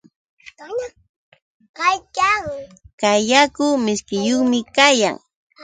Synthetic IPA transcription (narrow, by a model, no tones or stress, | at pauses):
ɑjkaŋkajakʊmɪskɪjoχmɪkaja̰ŋ